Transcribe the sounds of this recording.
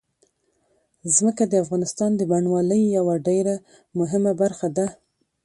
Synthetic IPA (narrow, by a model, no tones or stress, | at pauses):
zməkad̪əafɣɑnɪst̪ɑnd̪əbaɳwɑləjjawaɖeɾa | mʊɦɪmabaɾxad̪a